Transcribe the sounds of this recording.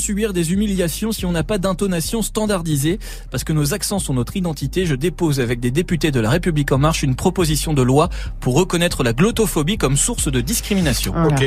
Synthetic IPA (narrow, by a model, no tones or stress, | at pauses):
sybiʁd̪ezymiljasjɔ̃siɔ̃napad̪ɛ̃t̪ɔnasjɔ̃st̪ɑ̃d̪aʁd̪ize | paʁsə̥kənozaksɑ̃sɔ̃nɔt̪χid̪ɑ̃t̪it̪eʒəd̪epozavɛk̚d̪ed̪epyt̪ed̪əlaʁepyblikɑ̃maʁʃynpχɔpozisjɔ̃d̪əlwapuʁːəkɔnɛt̪χəlaɡlɔt̪ɔfɔbikɔmsuʁsd̪əd̪iskχiminasjɔ̰̃